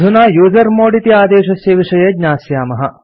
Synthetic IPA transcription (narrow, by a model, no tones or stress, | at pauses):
unaːjuːzɐɾmoːɽit̪iaːd̪eːʃɐsjɐʋiʂɐjɐɡɲʲaːsjaːmɐɦɐ